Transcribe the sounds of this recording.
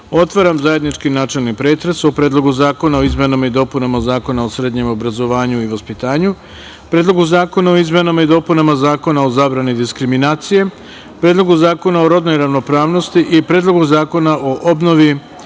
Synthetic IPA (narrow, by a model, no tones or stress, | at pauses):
o̞t̪ʋaɾamzaje̞d̪nit͡ʃkinaːt͡ʃe̞lˠnipɾe̞ːt̪ɾe̞sopɾeːd̪lˠo̞ɡuzaːko̞naoizme̞nomid̪o̞ːpunamazaːko̞naosɾe̞ːd̪ɲe̞mo̞bɾazo̞ʋaːɲuiʋaspit̪aːɲu | pɾed̪lˠo̞ɡuzaːko̞naoizme̞nomaid̪o̞ːpunamazaːko̞naozaːbɾanid̪iskɾiminaːt̪sije̞ | pɾeːd̪lˠo̞ɡuzaːko̞nao̞ɾo̞d̪no̞jɾaʋno̞pɾaːʋno̞st̪iʔipɾeːd̪lˠo̞ɡuzaːko̞naʔoʔo̞bno̞ʋi